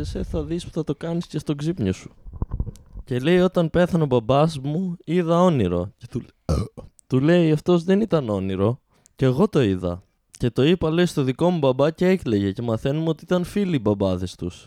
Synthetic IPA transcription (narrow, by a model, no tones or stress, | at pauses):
eseθɐðispu̥θɐt̪o̞kɐnisce̞st̪o̞ɡzipɲo̞su̥ | cele̞jo̞t̪ɐnpe̞θɐno̞bɐbɐzmuiðɐo̞niɾo̞ | t̪ule̞iɐft̪o̞zðe̞nit̪ɐno̞niɾo̞ | ceːɣo̞t̪o̞iðɐ̰ | ce̞t̪o̞ipɐle̞ist̪o̞ðiko̞mubɐbɐce̞ekle̞ʝe̞ce̞mɐθe̞numot̪iit̪ɐnfilibɐbɐðe̞st̪us